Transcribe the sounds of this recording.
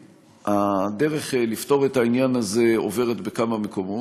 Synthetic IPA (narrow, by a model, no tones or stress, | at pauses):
ade̞ʁe̞χlifto̞ʁetainjanaze̞o̰ve̞ʁetbe̞kamameko̞mo